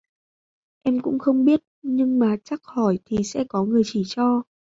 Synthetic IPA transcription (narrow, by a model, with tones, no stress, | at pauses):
ʔɛ˧mkʊ̰˧˥ŋ͡mxə˧wŋ͡mɓi˦˥ət̚ɲɨ˧ŋmaː˨˩t͡ɕa˦˥k̚hɔ˧˩jt̪ʰi˨˩sɛ̰˧˥kɔ˨˦ŋɨ˨˩əjt͡ɕi˧˩t͡ɕɔ˧